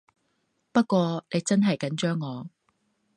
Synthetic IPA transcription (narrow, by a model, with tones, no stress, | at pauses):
pɐ˥t̚kːʷɔː˧ne˨˧jt͡sɐ˥nɦɐ˨jkɐ˨˥nt͡ʃœː˥ŋːɔː˨˧